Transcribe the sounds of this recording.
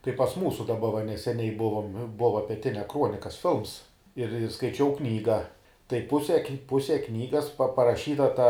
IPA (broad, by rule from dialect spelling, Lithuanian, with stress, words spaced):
kɐɪ pɐs ˈmuːsʊ dɐˈbɐ ʋɐ nʲɛsʲɛˈnʲɛɪ ˈbʊʋoːm ˈbʊʋɐ pʲɛˈtʲɪnʲɛ ˈkruɔnʲɪkɐs ˈfʲɪlˠms ɪr ɪr skɐɪˈt͡ʃʲɛʊ ˈknʲiːɡɐ tɐɪ ˈpʊsʲɛ ˈpʊsʲɛ ˈknʲiːɡɐs pɐrɐˈʃʲiːtɐ tɐ